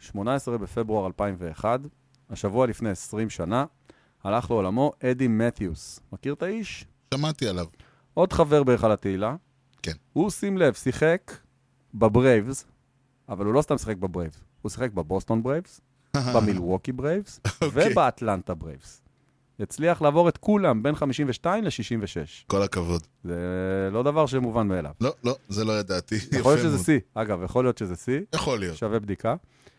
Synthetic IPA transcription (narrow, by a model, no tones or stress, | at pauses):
ʃmo̞naesʁebefe̞bʁuaʁalpaimve̞ːχad̪ | aʃavualifne̞jesʁimʃana | halaχleolamo̞ʔed̪imet̪jusmakiʁt̪aiʃ | ʃamat̪ialav | ʔo̞d̪χave̞ʁbeχalat̪eila | kenhusimle̞vsiχek | bebʁejvz | avalhulo̞st̪amsi̥χek̚bebʁejvzhusi̥χek̚bebo̞st̪o̞nbʁejvz̥ | ahbamilʁokibʁejvzovebeat̪lant̪abʁḛjvz̥ | jet͡sliaχlaːvo̞ʁet̪kulambe̞nχamiʃimveʃtaimleʃiʃimveʃḛʃkolakavod̪ | zelo̞d̪avaʁʃ̬emuvanmeːla̰vlolozelojed̪aːt̪ijalijoʃezesiaɡavjaχolijo̞t̪ʃezesijaχolijoʃavebd̪ika